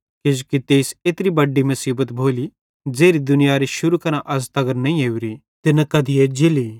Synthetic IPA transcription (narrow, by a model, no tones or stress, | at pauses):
ked͡ʒukit̪eːseːt̪ɾibɐɖːimɐsiːbət̪bʱoːli | d͡zeːɾid̪ʊnɪjaɾiʃʊɾukɐɾãʔɐst̪ɐɡəɾnɐĩɦeːuɾi | t̪ɪnakɐd̪ied͡ʒeli